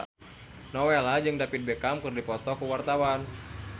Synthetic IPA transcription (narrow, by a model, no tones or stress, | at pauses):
nɔwelad͡ʒɨŋdapit̪̚bɛkamkɨrdipɔt̪ɔkuwart̪awan